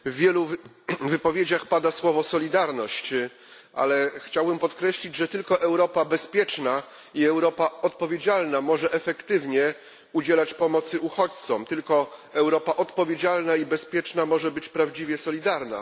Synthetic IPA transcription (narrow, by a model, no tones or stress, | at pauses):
vːʲjɛlu | vɘpɔvʲjed͡ʑaxpad̪aswɔvɔsɔlʲid̪aɾnɔɕt͡ɕ | ʔa̰lɛxt͡ɕawbɘmpɔt̪kɾɛɕlʲid͡ʑʐɛt̪ɘlkɔʔɛwɾɔpabɛspʲjɛt͡ʂna | iɛwɾɔpaɔt̪̚pɔvʲjed͡ʑalnamɔʐɛʔɛfɛkt̪ɘvɲɛ | ud͡ʑɛlat͡ɕpɔmɔt̪sɘʔuxɔt͡ɕt̪sɔmt̪ɘlkɔɛwɾɔpaʔɔt̪pɔvʲjed͡ʑalnaibɛspʲjɛt͡ʂnamɔʐɛbɘt͡ɕpɾavd͡ʑivʲjɛsɔlʲid̪aɾna̰